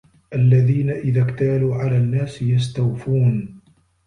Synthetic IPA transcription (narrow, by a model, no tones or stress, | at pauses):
ʔalːaðiːnaʔɪðaːkt̪aːluːʕalaːnːaːsjast̪awfuːn